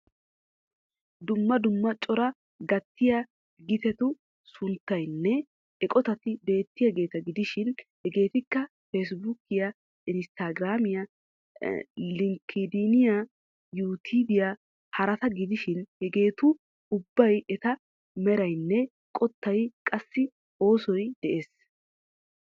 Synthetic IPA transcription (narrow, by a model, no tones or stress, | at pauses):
d̪ʊmːɐd̪ʊmːɐt͡ʃʼɔɾɐ | ɡɐt̪ːɪjɐ | ɡɪt̪ɛt̪ʊ | sʊnt̪ːɐjnːɛ | ɛkʼɔt̪ɐt̪ɪbe̞ːt̪ːɪjɐɡe̞ːt̪ɐɡɪd̪ɪʃɪnhɛɡe̞ːt̪ɪkːɐ | fes̬bʊkɪjɐ | ɪnst̪aɡɾaːmɪjɐ | lɪŋkʰːid̪inɪja | juːt̪ʰiːb̪ɪja | hɐɾɐt̪ɐɡɪd̪ɪʃɪnhɛɡe̞ːt̪ʊ | ʊbːɐjɛt̪ɐ | mɛɾɐjnːɛ | kʼɔt̪ːɐjkʼɐsːɪ | o̞ːsɔjd̪̥ɛʔeːs